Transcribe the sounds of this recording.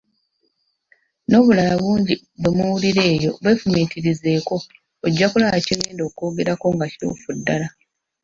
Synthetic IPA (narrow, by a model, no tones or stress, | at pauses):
no̞ːβulalaβuːɲɟi | βemuwuliɾe̞ːjo̞̰βe̞ːfumiːtiɾize̞ːko̞ː | ɟːakulaaciweːndo̞ːko̞ːɡe̞ɾako̞ŋɡaciɾo̰fudːala